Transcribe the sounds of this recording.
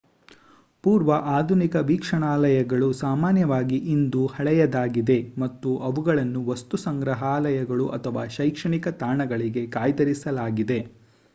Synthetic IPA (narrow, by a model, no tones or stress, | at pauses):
puːɾʋɐʔaːd̪ʱunikɐʋiːkʂɐɳaːlɐjɐɡɐɭusaːmaːnjɐʋaːɡiʔind̪uhɐɭɛjɐd̪aːɡid̪e̞mɐt̪ːuʔɐʋuɡɐɭɐnːuʋɐst̪usɐŋɡɾɐɦaːlɐjɐɡɐɭuʔɐt̪ʰɐʋaːʃɐjkʂɐɳikɐt̪aːɳɐɡɐɭiɡe̞kaːjt̪ɐɾisɐlaːɡid̪e̞